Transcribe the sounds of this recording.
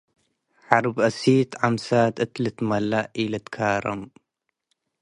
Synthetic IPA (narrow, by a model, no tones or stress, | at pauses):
ħɑɾˤbʔasiːt̪ʕamsaːt̪ɨt̪lɨt̪malːaʔiːlat̪kʰaːɾˤa̰m